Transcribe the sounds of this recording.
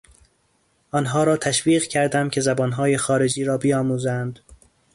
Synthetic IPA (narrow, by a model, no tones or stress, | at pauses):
ʔɒnɦɒːɾɒːt̪ʰæʃv̥iːɣcʰæɾd̪æmcʲʰe̞zæbɒːnɦɒːje̞xɒːɾe̞d͡ʒiːɾɒːbijɒːmuːzænd̪̥